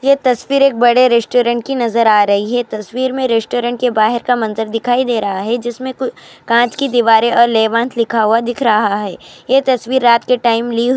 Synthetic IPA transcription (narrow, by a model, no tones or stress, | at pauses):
jet̪ɐsʋiːɾeːk̚bɐɽeɾɛsʈoːɾə̃ɳʈ̚kinɐzəɾaːɾɐɦiɦɛt̪ɐswiːɾmẽɾɛsʈoːɾə̃ɳʈ̚kebaːɦɪɾkamɐ̃nzəɾd̪ɪkʰaːid̪eːɾɐɦaɦɛd͡ʒɪsmẽkʊkãːt͡ʃkid̪iʋaːɾeʔɔːɾlɛːʋãːnt̪ʰlɪkʰaɦuad̪ɪkʰɾɐɦaɦɛːjet̪ɐsʋiːɾːaːt̪keʈaːɪmli